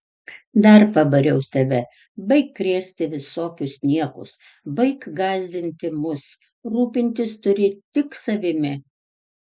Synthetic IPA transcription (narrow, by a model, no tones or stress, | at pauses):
d̪ɐɾpɐbɐɾʲɛʊt̪ɐʋʲɛ | bɐɪkːɾʲeːsʲt̪ʲɪʋʲɪsoːkʲʊsnʲiɛkʊ̰s | bɐɪkɡɑːzʲd̪ʲɪnʲt̪ʲɪmʊs | ɾuːpʲɪnʲt̪ʲɪst̪ʊɾʲɪt̪ʲɪksɐʋʲɪmʲɪ